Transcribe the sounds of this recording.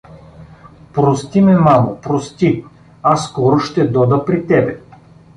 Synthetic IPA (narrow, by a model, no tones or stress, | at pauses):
pɾost̪imɛmamopɾost̪i | asːkɔɾʊʃt̪ɛd̪ɔd̪əpɾit̪ɛbɛ